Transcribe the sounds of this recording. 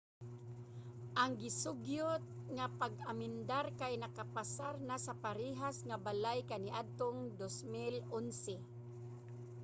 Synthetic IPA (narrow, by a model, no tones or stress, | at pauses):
ʔaŋɡɪsʊɡjʊt̪̚ŋapaɡamɪnd̪aɾkajnakapasaɾnasapaɾiɦasŋabalajkaniʔad̪̚t̪oŋd̪osmɪlonsɛ